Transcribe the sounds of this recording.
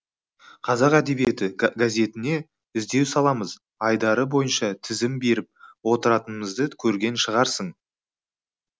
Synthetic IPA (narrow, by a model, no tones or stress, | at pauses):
qʰɑzɑqæd̪e̞bije̞t̪ɪɡaze̞t̪ɪne̞ | ɪzd̪e̞wsɑlˠɑməz | ɑjd̪ɑɾəbo̞jənʃɑt̪ʰɪzɪmbe̞ɾɪp̚wo̞t̪əɾɑt̪ənəməzd̪əkʲʰɵɾɡʲe̞nʃəʁɑɾsəɴ